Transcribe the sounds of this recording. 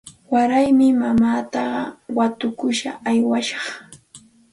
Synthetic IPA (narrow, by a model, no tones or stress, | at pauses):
waɾajmɪmamaːt̪ɑɢɑwat̪ʊkʊʃaajwaʃɑ̥χ